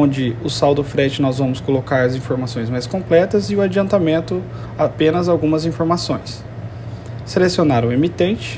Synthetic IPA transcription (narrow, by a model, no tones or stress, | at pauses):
õd͡ʒɪʊsawd̪ʊfɾɛt͡ʃɪnɔzvɐ̃mʊskolokaɾɐzĩfoɾmasõj̃zmajskõmplɛt̪ɐzɪʊad͡ʒiɐ̃nt̪amẽnt̪ʊ | apẽnɐzawɡũmɐzĩfoɾmasõj̃s | selesionaɾʊ̃emit̪ẽnt͡ʃɪ̥